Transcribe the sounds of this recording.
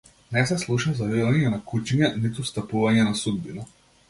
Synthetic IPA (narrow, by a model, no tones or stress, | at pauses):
nɛsɛslˠuʃazavivaɲɛnakut͡ʃiɲanit̪ust̪apuvaɲɛnasud̪̚bina